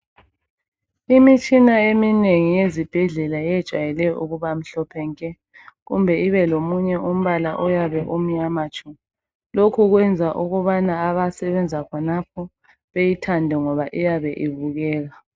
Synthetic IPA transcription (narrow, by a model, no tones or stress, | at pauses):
imit͡ʃʼinaemineŋijezib̥ʱɛɮɛlaɛd̥ʒ̥ʱwa̰jɛlɛjɔʔuɣuβam̩ɬɔpʰɛŋkʼɛ | ɣumbʱɛiβɛlomuɲɛum̩βalaʔɔjaβɛʔum̩ɲamat͡ʃʼɔ | lokʰuɣwɛnd͡zʱaʔuɣuβanaːβasɛβɛnd͡zʱakʰɔnapʰɔ | βejitʰandʱɛŋɔβaʔijaβɛʔiβuɣɛːɣa